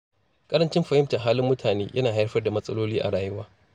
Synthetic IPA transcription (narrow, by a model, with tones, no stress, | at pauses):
kʼɐ˦ɾɐ˦nt͡ʃɪ˦mɸɐ˨hɪ˦mtɐ˨ɦaː˦lɪ˦mːʊ˦tʰaː˨neː˦jʔɐ̰˦naː˨ɦa˦ɸɐ˦rda˨mɐ˦sʼɐ˦loː˦liː˦ʔa̰˨ɽaː˨jɪ˦waː˦